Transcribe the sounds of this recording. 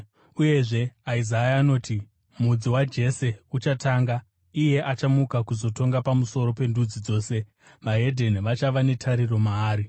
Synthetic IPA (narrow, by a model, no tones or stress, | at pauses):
uje̞ʐe̞aizajaːno̞ːti | mud͡ziwad͡ʒe̞se̞ut͡ʃataːŋɡa | ije̞ʔat͡ʃamukakuzo̞to̞ŋɡapamuso̞ɾo̞pe̞ndud͡zid͡zo̞ːse̞ | ʋaɦe̞dʱe̞nʋat͡ʃaʋane̞tʰaɾiro̞maːɾi